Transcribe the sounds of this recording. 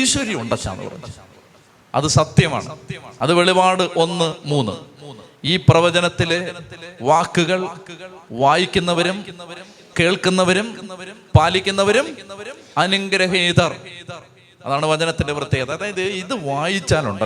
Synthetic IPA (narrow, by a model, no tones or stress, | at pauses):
iɕʋɐɾjimuɳɖɐt͡ɕːa̰ːnːɨ̰pɐrɐ̰ɲː | ɐ̰ðɨsɐt̪jɐma̰ːɳɨɐðɨʋe̞ɭibaːɽɨʔo̞nːɨmuːnːɨ̰ | iːprɐʋɐd͡ʑɐnɐt̪ːileʋaːkːuɣɐɭ | ʋaːjikʲːunːɐʋɐɾumː | keːɭkunːɐʋɐɾum | paːlikʲːunːɐʋɐɾum | ɐnɐŋɡɐɾɐɣeːd̪ɐrr | ɐ̰ðaːɳɨʋɐd͡ʑɐnɐt̪ːindeprɐt̪ːejɐt̪ɐɐðaːjɐðɨiðɨʋaːjit͡ɕːaːlṵɳɖɐ